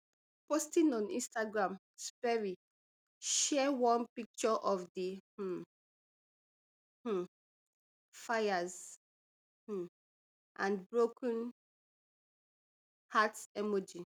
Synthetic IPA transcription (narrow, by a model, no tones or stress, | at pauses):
postĩnɔ̃nḭ̃nstaɡɹãm | spɛɹi | ʃɛwɔ̃npik̚t͡ʃɔʔɔfdih̩ | h̩ | fajaz | h̩ | ʔãnbɹokə̃n | hatsɛmɔd͡ʒi